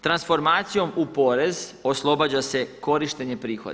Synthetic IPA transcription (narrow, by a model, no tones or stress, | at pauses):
t̪ɾansfo̞ɾmaːt̪sijo̞mupo̞ɾe̞zo̞slˠo̞bad͡ʑase̞ko̞ɾiʃt̪e̞ɲe̞pɾiːxo̞̰d̪